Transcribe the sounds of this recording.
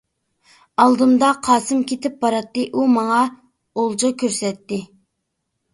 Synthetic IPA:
ɑlˠd̪ɨmd̪ɑqʰɑːsɨmkʲet̪ʰɪp̚bɑɾɑt̪ːɨʔumɑŋɑ | olˠd͡ʒɨkʲʰøɾsɛt̪ːɪ

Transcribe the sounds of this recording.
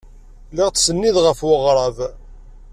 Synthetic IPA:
lɪʁt͡ssənːiðʁəfwəʁɾˤɑð

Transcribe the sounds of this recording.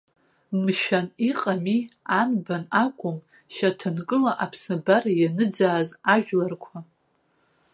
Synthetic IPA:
mʃᶣaniqʼamianbanakʷʼʊm | ʃatʰɨnkʼɨlaʔapʰsɨbarajanɨd͡zaːzaʒᶣlarkʷʰa

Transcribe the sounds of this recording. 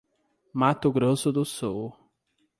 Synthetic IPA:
mat̪ʊɡɾosʊd̪ʊsɔw

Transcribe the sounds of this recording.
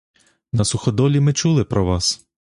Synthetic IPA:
nɐsʊxɔd̪ɔlʲimɪt͡ʃulˠɪpɾɔʋɑs

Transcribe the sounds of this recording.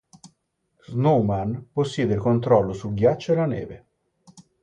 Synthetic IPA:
znowmanposːjɛːd̪eilkont̪ɾɔlːosulɡjat͡ʃːoelanḛːve

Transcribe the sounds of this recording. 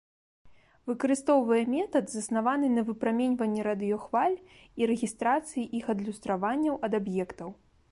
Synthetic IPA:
vɨkɐɾɨst̪ɔwvɐjɛmʲɛt̪ɐd̪zɐsnavanɨnɐvɨpɾamʲɛnʲvɐnʲːɛɾad̪ɨjɔxv̥alʲ | iɾɛɣʲist̪ɾat̪sɨjiʔixɐd̪lʲust̪ɾavanʲːɐwɐd̪abjɛkt̪ɐw

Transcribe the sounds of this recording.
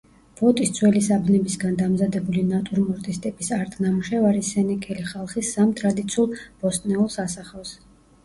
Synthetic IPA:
b̥ɔt̪ʼist̪sʰwɛlisabnɛbisɡand̪amzad̪ɛbulinat̪ʼuɾmɔɾt̪ʼist̪ʼipʼisaɾt̪ʼnamuʃɛvaɾisɛnikʼʰɛliχalˠχisːamt̪ʼɾad̪it̪sʰiulˠb̥ɔst̪ʼnɛulˠsasaχɛfs

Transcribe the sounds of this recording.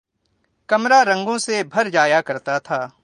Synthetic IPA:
kɐmɾaɾɐ̃ŋɡõsebʱɐɾd͡ʒaːjakɐɾt̪at̪ʰaː

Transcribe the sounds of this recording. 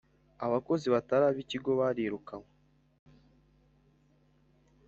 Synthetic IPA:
aβako̞ziβataɾaːβiːciɡo̞βaɾeɾukaŋo

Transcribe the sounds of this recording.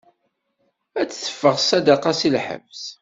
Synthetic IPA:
æt͡sːθə̥fːəʁsæd̪aqɑsilħə̰vs

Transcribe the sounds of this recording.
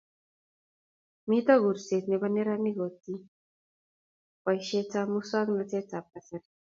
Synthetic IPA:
mit̪ʌɡʱuɾset̪nebənːeɾanːiɡʱot̪i | pəjɕet͡samusaɡnət͡set͡sap̚kasaɾi

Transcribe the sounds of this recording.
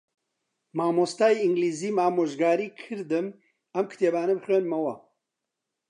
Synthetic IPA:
maːmoːst̪aːiiŋɡliːziːmaːmoːʒɡaːɾiːkʰɨɾd̪ɨm | ɐmkʰɨ̥t̪ʰeːbaːnɐbɨxeːnmɐwɐ

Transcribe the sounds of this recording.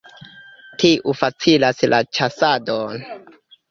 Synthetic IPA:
tʰiʔufat͡silaslat͡ʃasadon

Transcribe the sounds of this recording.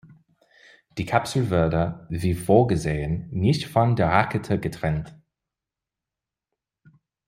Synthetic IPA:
d̥iːkʰapsl̩vɪɐdəviːfoːɐɡəzeːənːɪçtfɔndeːɐʁakətʰəɡətʁ̥ɛnt

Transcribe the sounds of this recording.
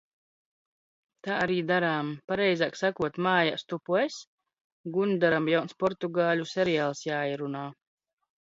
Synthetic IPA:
t̪aːaɾiːd̪aɾaːmpaɾɛjzaːksakuɔt̪maːjast̪upues | ɡund̪aɾamjawnspɔɾt̪uɡaːlʲusʲɛɾijaːlˠsjaːiɾunaː

